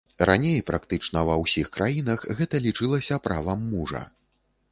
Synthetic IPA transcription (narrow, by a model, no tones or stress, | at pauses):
ranʲejpɾʔakt̪ɨt͡ʂnɐvɐwsʲixkɾʔajinɐxɣɛt̪ɐlʲit͡ʂɨlˠɐsʲɐpɾʔavɐmːuʐɐ̰